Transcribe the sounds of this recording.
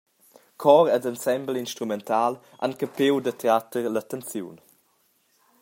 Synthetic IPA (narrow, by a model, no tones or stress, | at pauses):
kʰɔɾɛdənsɛmblinʃtɾumɛntaːl | ʔa̰nkəpewdəteatəɾlatənt͡sjṵn